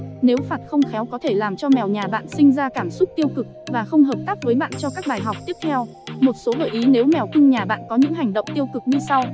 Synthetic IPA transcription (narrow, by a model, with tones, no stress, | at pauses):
ne˨˦wfaː˨˩t̚xə˧wŋ͡mxɛ˨˦wkɔ˨˦t̪ʰe˧˩laː˨˩mt͡ɕɔ˧mɛ˨˩wɲaː˨˩ɓa̰ː˧˨nsï˧ŋ̟zaː˧kaː˧˩msʊ˦˥t̚t̪i˧əwkɨ˨˩k̚vaː˨˩xə˧wŋ͡mɦəː˨˩p̚t̪aː˦˥p̚vəː˨˦jɓa̰ː˧˨nt͡ɕɔ˧kaː˦˥k̚ɓaː˨˩jɦa˨˩wk͡p̚t̪i˦˥ət̪ʰɛ˧w | mo˨˩t̚so˨˦lə̰ː˧˨˩ʔi˨˦ne˨˦wmɛ˨˩wki˧ŋɲaː˨˩ɓa̰ː˧˨nkɔ˨˦ɲɨ̰˧˥ŋɦa˨˩ŋ̟ɗo̰˧˨wŋ͡mt̪i˧əwkɨ˨˩k̚ɲɨ˧sa˧w